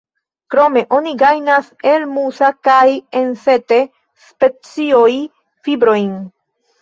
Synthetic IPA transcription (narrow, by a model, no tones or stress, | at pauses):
kɾo̞me̞ʔo̞niɡajnase̞lmusakajense̞te | spe̞t͡sioj | fibɾo̞jn